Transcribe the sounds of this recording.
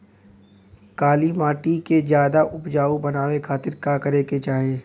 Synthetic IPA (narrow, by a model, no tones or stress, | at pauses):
kaːlimaːʈikezjaːd̪aʔʊpd͡ʒaːubɐnaːwekʰaːt̪ɪɾkakɐɾeːket͡ʃaːɦeː